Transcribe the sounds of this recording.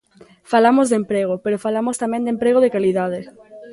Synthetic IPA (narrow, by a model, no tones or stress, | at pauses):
falamozðempɾeɣ̞opeɾofalamost̪amẽnd̪empɾeɣ̞oðekaliðaðe